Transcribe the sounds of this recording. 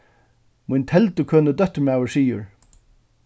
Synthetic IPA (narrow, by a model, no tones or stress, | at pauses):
mujnt̪ʰɛlt̪əkʰøːnəd̪œht̪ːmaːwəɹsiːjʊ̰ɹ